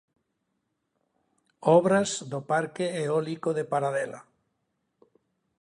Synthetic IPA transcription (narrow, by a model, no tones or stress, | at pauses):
ɔβɾazd̪opaɾkeeɔlikoðepaɾaðɛla̰